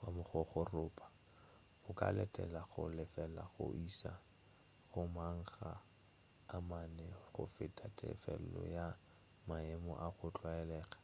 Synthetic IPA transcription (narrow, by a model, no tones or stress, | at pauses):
wamʊχɔχʊrʊːpʰʼḁ | ʊkʼa̰lɛtʼɛlaχʊlɪfɛlaχʊ̰ʔisa | χʊmaŋ̩χaː | manɛχʊ̰fɪtʰʼatʼɛ̰fɛl̩lɔ̰ja | maɛmɔʔaχʊt͡ɬʼwaɛlɛːχḁ